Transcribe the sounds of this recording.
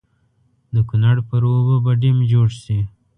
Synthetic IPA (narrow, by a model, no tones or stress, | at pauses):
d̪əkunaɽpəɾobəbaɖimd͡ʒoɽsi